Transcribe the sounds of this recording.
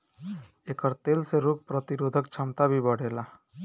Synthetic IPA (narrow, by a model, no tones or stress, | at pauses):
eːkəɾt̪elseɾuk̚pɾət̪iɾoːd̪ʱək̚t͡ʃʰəmt̪abʱibəɽ̤eːla